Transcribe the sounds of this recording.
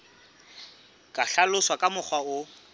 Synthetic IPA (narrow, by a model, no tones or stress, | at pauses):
kʼaɬalʊswakʼamʊk͡xwaʊ